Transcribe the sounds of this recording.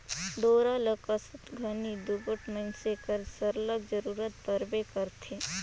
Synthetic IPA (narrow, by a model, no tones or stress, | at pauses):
ɖ̪oːɾaləkɐsət̪ɡʱɐnid̪uɡəʈmənsekəɾsəɾləɡd͡ʒəɾuːɾət̪̚pəɾbekɐɾt̪ʰeː